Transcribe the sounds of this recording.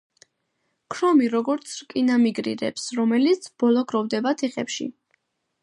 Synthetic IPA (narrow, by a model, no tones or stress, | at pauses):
kʰɾɔmiɾɔɡɔɾt̪sʰɾkʼinamiɡɾḭɾɛ̰psɾɔmɛlit̪sʰb̥ɔlˠɔɡʰɾɔvd̪ɛbat̪ʰɛχɛpʃḭ